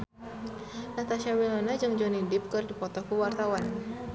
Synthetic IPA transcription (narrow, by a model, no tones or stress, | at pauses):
nat̪aʃiawilɔnad͡ʒɨŋd͡ʒɔnidip̚kɨrdipɔt̪ɔkuwart̪awan